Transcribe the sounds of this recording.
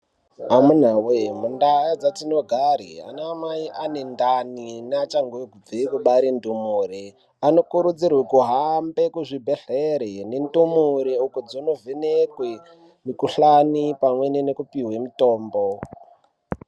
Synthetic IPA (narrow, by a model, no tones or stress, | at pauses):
amun̤awemundajad͡zatino̞ɡʱaɾḭa̰naːmaiʔanendaninat͡ʃaŋɡoɡʱub͡vikuɓaɾindumuɾi | ano̞kuɾud͡zirwekuɦambekuʐibʱeɬeɾenendumuɾeukod͡zonovenekwe | mikuɬanipamwe̞nenekupiɦwemitoːmbo